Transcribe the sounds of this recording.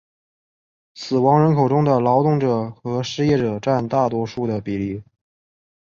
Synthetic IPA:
sɹ̩˨˩wɑ˧˥ŋɻə˧˥nkʰo˨˩ʊʈ͡ʂʊ˥ŋd̪ə˨lɑ˧˥ʊt̪ʊ˥˩ŋʈ͡ʂɤ˨˩xɤ˧˥ʂɻ̩˥˧jɛ˥˩ʈ͡ʂɤ˨˩ʈ͡ʂa˥˧nt̪a˥˩t̪wɔ˥ʂu˥˩d̪ə˩pi˨˩li˥˩

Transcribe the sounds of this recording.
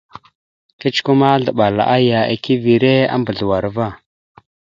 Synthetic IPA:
ki˦t͡ʃku˦ma˦ɮə˨ɓa˨la̰˨ʔa˦ja˨ḛ˨ki˦vi˨ɾe˦a̰˦mbə˨ɮu˨wa˨ɾva˦˨

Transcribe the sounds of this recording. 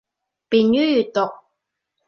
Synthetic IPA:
piː˨njyː˥jyː˨˩t̚t̪ʊ˨k̚

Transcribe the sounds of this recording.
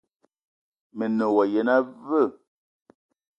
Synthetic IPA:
me˨no˨wɔ˨je˨na˦və˦˨

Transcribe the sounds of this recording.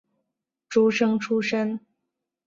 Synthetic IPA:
ʈ͡ʂu˥ʂɤ˥ŋʈ͡ʂʰu˥ʂə˥ŋ

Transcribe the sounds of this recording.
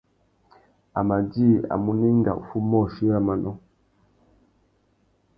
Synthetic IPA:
a˨ma˨d͡ʒi˦˨a̰˨mu˨ni˦ŋɡa̰˨ṵ˨fu˦mɔ˦˨ʃi˦ja˦ma˨nɔ˦

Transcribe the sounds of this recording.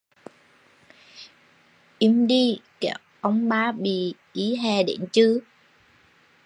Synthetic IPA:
ʔi˧˦mɗi˧kɛ˧˩˦ | ʔə˧wŋ͡mɓaː˧˦ɓḭ˧˩ʔi˨˦ɦɛ˨˩ɗe˧˦nt͡ɕɨ˧˦

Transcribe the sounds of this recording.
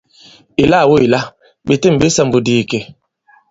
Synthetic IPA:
i˨la˦˨wo˦i˨la˦ | ɓe˨te˦m̩˨be˦sa˦˨mbu˨di˦˨ke˨

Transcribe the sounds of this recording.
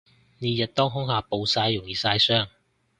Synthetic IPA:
neː˨˧jɐ˨t̚t̪ɔː˥ŋɦʊ˥ŋhaː˨˧po˨˧wsaː˧jːʊ˨˩ŋjiː˨saː˧jsœː˥ŋ

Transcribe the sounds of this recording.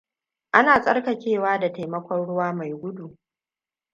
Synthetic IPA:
ʔa˦naː˨sʼɐ˦rkɐ˨kʲeː˦˨waː˦da˨ta˨jmɐ˦kʷɔ˦nɽʊ˦waː˦ma˨jɡʷʊ˦du˨

